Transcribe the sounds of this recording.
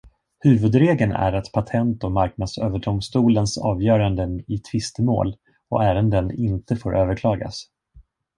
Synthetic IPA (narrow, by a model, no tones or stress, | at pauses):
hʉ̟ːvɵd̪ɾeːɡənæ̰ɾat̪pʰat̪ʰɛnt̪ɔmaɾknad̪søːvəɖʊmst̪uːlənsɑ̰ːvjœːɾand̪ənɪt̪ʰvɪst̪əmo̰ːl | ɔ̰ʔæːɾənd̪ənɪnt̪əfoːɾʔøːvəɾkʰlɑːɡa̰s